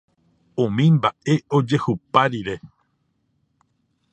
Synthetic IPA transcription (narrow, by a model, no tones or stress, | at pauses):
ũmĩmbaʔe̞ʔo̞d͡ʒe̞hupaɾiɾe̞